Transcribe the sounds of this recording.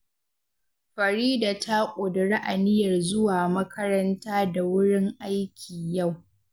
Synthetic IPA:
ɸɐ˨ɾiː˦daː˨tʰa˦kʷʼʊ˨dɪ˨ɽa˦ʔa˨nɪ˦jɐ˨rzʊ˦waː˨mɐ˦kʰɐ˦ɾɐ˦ntaː˦da˨wʊ˦ɽɪ˦ŋʔa˦jkʲʰiː˨ja˦˨w

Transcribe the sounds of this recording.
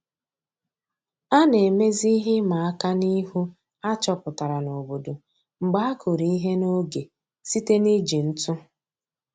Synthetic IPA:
a˦ne˨me˦zi˦i˦ɦe˦ma˨a˦ka˦ni˦ɦu˦ | a˦t͡ʃɔ˨pʊ˨ta˨ɾa˨no˨bo˨do˨ | ŋ͡m̩˨ɡ͡ba˦a˦kʰʊ˨ɾi˨i˦ɦe˦no˦ɡe˨ | si˦te˦ni˦d͡ʒi˨n̩˦tʊ˦

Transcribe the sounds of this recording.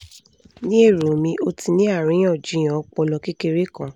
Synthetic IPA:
nĩ˦e˦˨ɾo˨mĩ˧ʔo˧ti˧nĩ˦a˦˨ɾ̃ĩ˨˦ã˦˨d͡ʒĩ˨˦j̃ã˨ɔ˧˦k͡pɔ˧lɔ˧ki˦ke˧ɾe˦kã˨

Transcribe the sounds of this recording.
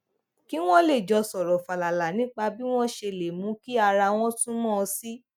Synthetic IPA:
ki˦w̃ɔ̃˦le˦˨d͡ʒɔ˧sɔ˨ɾɔ˨fa˨la˨la˨nĩ˨˦k͡pa˧bi˦w̃ɔ̃˦ʃe˧˨le˨mũ˨˦ki˦a˧ɾa˧w̃ɔ̃˦tũ˦mɔ̃˦˧si˦

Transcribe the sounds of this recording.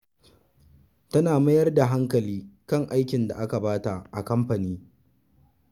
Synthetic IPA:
tɐ˦naː˨mɐ˦jɐ˦rda˨ɦa˦ŋkɐ˨liː˦kɐ˦˨ŋʔa˦jkʲɪ˨nda̰˨ʔa˦ka˨baː˦ta˨ʔʔa˨kɐ˦mɸɐ˨niː˦

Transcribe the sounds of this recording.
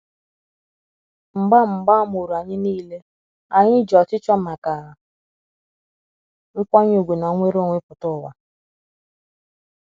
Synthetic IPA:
m̩˨ɡ͡ba˦m̩˨ɡ͡ba˦mo˨ɾu˨a˨ɲɪ˦niː˦le˦ | a˨ɲɪ˦d͡ʒɔ˨tɪ˦t͡ʃɔ˦ma˨ka˨ɦa˨ | ŋ̩˦kʷa˦ɲ˦o˨ɡʷe˨na˨˦ŋʷe˦ɾo˦˨ŋʷe˦pʊ˨tʊ˦˨wa̰˨

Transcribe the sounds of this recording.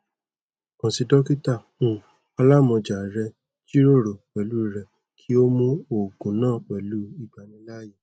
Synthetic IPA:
kã˨si˧dɔ˦ki˦ta˦˨ | ũ˧˨ | a˧la˦˨mɔ̃˧d͡ʒa˨ɾɛ˧ | d͡ʒi˦ɾo˦˨ɾo˨k͡pɛ˨lu˦˨ɾɛ˧ | kʰi˦o˦mũ˦o˨ɡũ˨˦nãː˦˨k͡pɛ˨lu˨˦i˦˨ɡ͡ba˨nĩ˧˦la˦je˦˨

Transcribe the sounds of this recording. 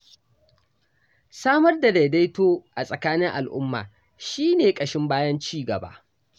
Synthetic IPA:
saː˦mɐ˦rda˨da˨jda˦jtoː˦ʔa˨sʼɐ˨kaː˦nɪ˦ŋʔa̰˨lʔʊ̰˦mːa̰ː˨ | ʃiː˦neː˨kʼɐ˨ʃɪ˦mbaː˦jɐ˦nt͡ʃiː˦ɡɐ˨ba̰ː˦ʔ

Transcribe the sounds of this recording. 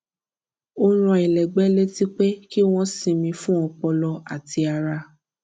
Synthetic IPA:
o˦ɾ̃ũ˧˦˨i˨lɛ˨ɡ͡bɛ˦le˦ti˦k͡pe˦ki˦w̃ɔ̃˦sĩ˧˨mĩ˧fũ˦ɔ̃˧k͡pɔ˧lɔ˧a̰˨ti˧a˧ɾa˧

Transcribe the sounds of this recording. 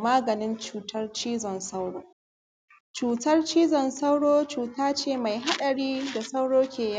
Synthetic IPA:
maː˦ɡɐ˨nɪ˦nt͡ʃuː˨tɐ˦rt͡ʃiː˦zɔ˨nsa˦wɽoː˦ | t͡ʃuː˨tɐ˦rt͡ʃiː˦zɔ˨nsa˦wɽoː˦t͡ʃuː˨taː˦t͡ʃeː˦˨ma˨jɦa˦ɗɐ˨ɽiː˦da˨sa˦wɽoː˦kʲeː˨ja˦

